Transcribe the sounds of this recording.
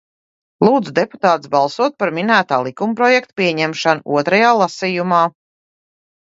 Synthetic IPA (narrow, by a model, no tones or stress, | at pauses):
lˠuːd̪zud̪epu̥t̪aːt̪sbɑlˠsuɔt̪̚paɾminæːt̪aːlˠikumpɾɔjɛkt̪piɛɲɛmʃanuṵɔt̪ɾajaːlˠasijumaː